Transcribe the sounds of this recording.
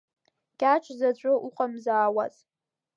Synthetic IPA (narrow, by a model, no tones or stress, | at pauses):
ɡ̥ʲʼat͡ʃʷʰzat͡ɕʷʼɨʔuqʼamzaːwaz